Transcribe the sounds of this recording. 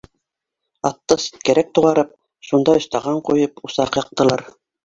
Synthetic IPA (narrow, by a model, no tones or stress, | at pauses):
ɑt̪ːɤsi̥t̪̚kæɾæk̚t̪uʁɑɾɤp̚ | ʃund̪ɑŏst̪ɑʁɑɴqujɤpusɑqjɑ̆q̚t̪ɤ̆lˠɑɾ